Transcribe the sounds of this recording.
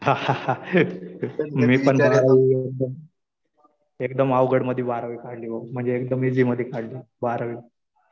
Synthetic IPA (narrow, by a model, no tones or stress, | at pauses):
ɦahaa | miːpənd̪əɾaʋiek̚d̪əm | ek̚d̪əmaʋɡəɽməd̪ʱːibaɾaʋiːkaɽliːʋəm̤əɳd͡zeːk̚d̪əmid͡ziːməd̪ʱːikaɽliː | baɾaʋi